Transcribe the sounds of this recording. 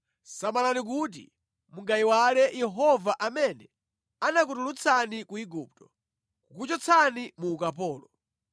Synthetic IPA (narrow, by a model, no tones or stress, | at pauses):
samalanik̬ut̬ḭ | muŋɡaiwalɛjɛɦɔvaʔamɛnɛ | anak̬utulut͡sʰanikuiɡuːp̚tɔ̥ | kukut͡ʃɔt͡sʰanimuːkapɔːlɔ